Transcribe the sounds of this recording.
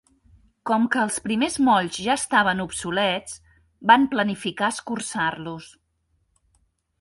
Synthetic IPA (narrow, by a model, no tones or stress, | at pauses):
kɔmkəːlˠspɾimezmɔʎzʒaəst̪aβ̞ənupsulɛt͡s | bamplənifikaəskursarlus